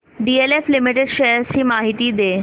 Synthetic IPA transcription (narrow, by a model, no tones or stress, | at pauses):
ɖieleflɪmɪʈeɖʃɐjəɾɕiːmaːɦit̪id̪eː